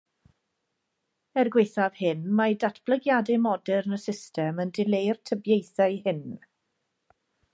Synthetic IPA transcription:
ɛrɡwejθav̥hɪnmajdatʰb̥ləɡjadɪmɔdɛrnəsɪstʰɛməndɪlejrtʰəbjejθaɨhɪn

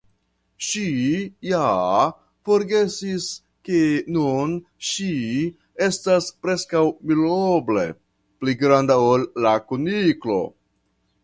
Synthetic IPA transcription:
ʃija | fo̞ɾɡe̞sis | kenun | ʃi | e̞staspɾe̞skawmiloble̞̰ | pliɡɾandaolːakuniklo̞̰

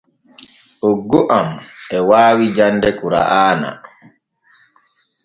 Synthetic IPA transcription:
ʔɔɡːɔʔamɛwaːwid͡ʒandɛkuɾa̰ʔaːna̰

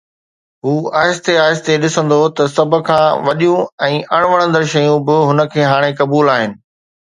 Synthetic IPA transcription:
ɦuːaːɦɪst̪eaːɦɪst̪eɗɪsə̃nd̪ot̪ɐsɐb̆ʱkʰãːʋɐɗijũɛ̃ːʔɐɽ̃ʋɐɽ̃ə̃nd̪əɾʃɐjũbɪɦʊnə̆kʰeːɦaːɽ̃ekɐbuːlaːɦɪnɪ̆

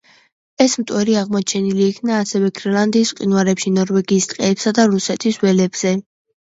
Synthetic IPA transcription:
ɛsmt̪ʼwɛɾiaʁmɔt͡ʃʰɛniliːkʰnaːsɛvɛɡɾɛlˠand̪iːsqʼinwaɾɛpʃinɔɾwɛɡiːst̪ʼqʼɛːpsad̪aɾusɛt̪ʰiswɛlɛbz̥ɛ

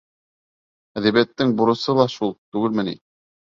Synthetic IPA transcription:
æðæβæt̪ːɘŋbuɾɤ̆sɤlˠɑʃulˠt̪ʉɡɘlmɘ̆nḭ

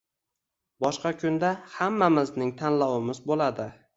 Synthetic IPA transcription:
bɒʃqɑkʲʰʊnd̪ahamːamɪznɪŋt̪ʰanlɒwɪmɪzbolad̪ɪ

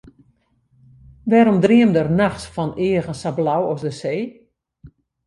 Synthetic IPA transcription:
ʋɛɾɔmdriəmdərnaxsfɔnɪəɣənsablawɔsdəseː

